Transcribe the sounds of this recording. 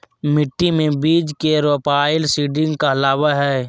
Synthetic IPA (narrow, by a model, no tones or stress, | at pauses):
mɪʈːimẽbiːd͡ʒkeɾoːpaːɪlsiːɖɪ̃ŋɡkaɐlaːwaɦɛː